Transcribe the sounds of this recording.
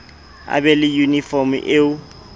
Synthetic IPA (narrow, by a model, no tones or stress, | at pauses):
a̰bɛlɪjunifɔm̩ʔeʊ